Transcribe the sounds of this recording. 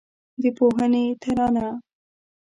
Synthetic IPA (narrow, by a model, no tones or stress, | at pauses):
d̪əpoɦənet̪ʰəɾɑna